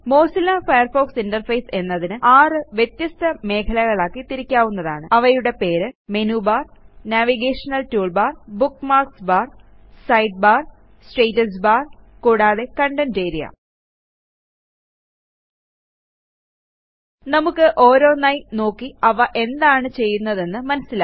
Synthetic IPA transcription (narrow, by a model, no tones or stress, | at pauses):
mo̞ːsɐlːafɐjɐrfo̞ːksindɐrfɐjse̞nːɐðinɨʔaːrɨʋjet̪jɐst̪ɐme̞ːkʰɐlɐɣɐɭaːkːit̪iɾikʲːaːʋunːɐða̰ːɳɨɐʋɐjuɽe̞pe̞ːɾɨmenubaːrnaːʋiɡeːʂɐnɐltuːɭbaːrbukːmaːrksbaːr | sɐjɖ̚baːr | sʈejtːɐs̬baːrkuːɽaːðe̞kɐɳɖɐnt͡ɕejɾijɐ̰ | nɐmukːɨʔo̞ːɾo̞ːnɐjno̞ːkːiɐʋɐʔe̞nd̪aːɳɨt͡ɕe̞jːunːɐðe̞nːɨmɐnɐsilaː